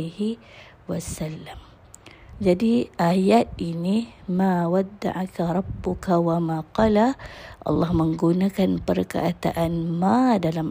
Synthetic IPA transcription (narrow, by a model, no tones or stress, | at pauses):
hi | wasalːam | d͡ʒadiʔajat̪̚inimawad̪ːa̰ʕakaɾˤɑbːʊkawamaqɑlaʔɑ̰lːɑhməŋɡunakanpərka̰ʔat̪a̰ʔanmadalam